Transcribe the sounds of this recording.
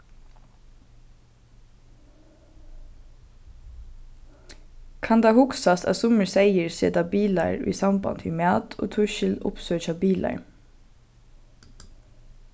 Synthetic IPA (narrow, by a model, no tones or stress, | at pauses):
kʰɑnd̪ɑːhʊksɑst̪ɑ̰ːsʊməɹseɪəɹsḛːd̪ɑːbiːlɑ̰ɹḭːsɑmbɑ̰nt̪ʰiːmæːt̪ʰo̰ːt̪ʰʉʃɪlʊ̰psøːçɑːbiːlɑ̰ɹ